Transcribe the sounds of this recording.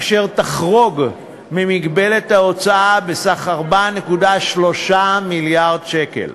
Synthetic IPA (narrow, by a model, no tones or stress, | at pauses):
ʃe̞ʁt̪aχʁo̞ɡ | mimiɡbe̞le̞tao̞t͡saabesaχaʁbane̞kudaʃlo̞ʃamiljaʁdʃe̞kḛl